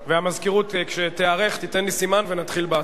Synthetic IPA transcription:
veamazkiʁut̪kʃet̪eaʁe̞χt̪it̪enlisimanvenat̪χilba

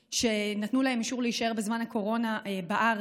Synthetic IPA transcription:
ʃe̞natnulaɦe̞miʃuʁleiʃae̞ʁbezmanhako̞ʁo̞nabaʔaʁ

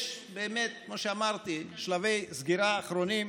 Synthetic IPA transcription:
ʃbeːmet̪̚kmoʃeamaʁt̪iʃlavejzɡiɾaːχɾonim

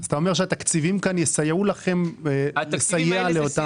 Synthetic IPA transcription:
zat̪ao̞me̞ʃeat̪akt͡sivimkanjesajeulaχe̞mlesajealeot̪a

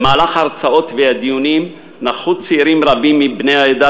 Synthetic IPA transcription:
maːlaχaʁt͡sao̞t̪vead̪ijunim | naχut͡siiɾimɾabimːibneaed̪a

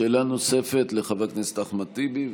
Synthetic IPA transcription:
elanosefet̪leχaveknist̪aχmat̪ibi

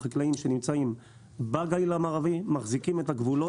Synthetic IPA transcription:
iklaimʃenimt͡saim | baɡailamaːʁavimaχzikimetaɡvulo

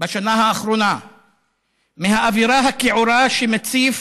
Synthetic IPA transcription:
baʃanaɦaːχɾona | miɦaʔaviɾaɦakeʕuɾaʃemet͡sif

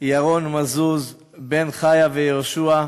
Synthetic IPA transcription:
jaʁonmazuz | benχajavejooʃua

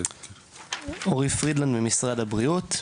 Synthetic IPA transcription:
oʁifʁidlandbemisʁadhabʁiut

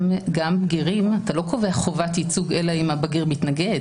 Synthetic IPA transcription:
mɡambɡiʁimatalo̞ko̞ve̞aχovatit͡suɡe̞laimabaɡiʁmitnaɡe̞d

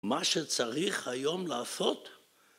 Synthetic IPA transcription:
maʃet͡saʁiχhajo̞mlaːso̞t̪

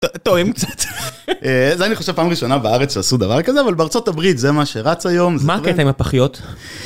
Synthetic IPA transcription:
t̪oimkt͡sat̪ʔeazeaniχo̞ʃev̥paːmʁiʃo̞nabeaaʁet͡sʃeasud̪avaʁkazeavalbeaʁt͡so̞tabʁitzemaʃeʁat͡sajo̞mzmaetajmapaχijot̪

